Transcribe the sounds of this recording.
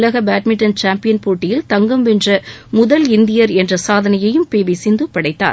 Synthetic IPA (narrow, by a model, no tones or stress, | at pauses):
lɐɣɐbaːʈmɪʈːɐnt͡ʃaːmpɪjɐnpuːʈːɪjɪlt̪ɐŋɡɐmʋɛndrɐmʊðɐlɪnd̪ɪjɐɾɛndrɐsaːðɐnɐjɐjɯmpeːʋiɪsɪnd̪ɯpːɐɽɐɪt̪ːa̰ːɾ